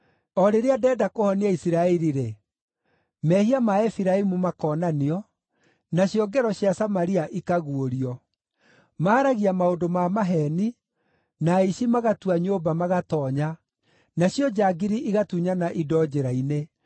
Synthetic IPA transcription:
ɔɾeɾeadɛːdakohɔniaisiɾaɛɾiɾe | mɛhiamaɛfiɾaimumakɔːnaniɔ | naɕjɔɡɛɾɔɕjasamaɾiaʔikaɣuoɾiɔ | maːɾaɣiamaondomamaɦɛni | naiɕimaɣatuaɲoːbamaɣatɔːɲa | naɕjɔd͡ʑaːɡiɾiʔiɣatuɲanaʔidɔd͡ʑeɾaine

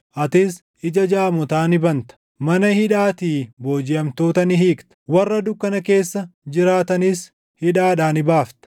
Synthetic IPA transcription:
ʔɐt̪ɪs | ʔɪd͡ʒɐd͡ʒaːmɔt̪aːnɪbɐnt̪ɐ̥ | mɐnɐhɪᶑaːt̪iːboːd͡ʒɪjɐmt̪o̞ːt̪ɐnɪɦiːkt̪ɐ̥wɐrːɐd̪ʊkːɐnɐke̞ːsːɐd͡ʒɪɾaːt̪ɐnɪs | hɪᶑaːᶑaːnɪbaːft̪ɐ̥

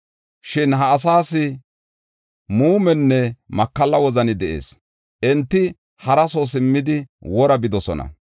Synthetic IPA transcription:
ʃɪnɦɐːs̬aːsɪ | muːmɛnːɛmɐkːɐlːɐwɔzɐnɪd̪ɛʔḛːs | ʔɛnt̪ːɪ | hɐɾɐsosɪmːɪd̪ɪwɔɾɐbɪd̪ɔsɔnɐ̰

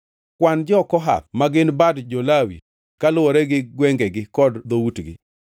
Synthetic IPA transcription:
kwand͡ʒɔkɔɦa̰pmaɡɪnbadd͡ʒolawḭ | kalʊwɔɾɛɡɪɡwɛŋɡɛɡɪkɔdd̪owutɡɪ̰

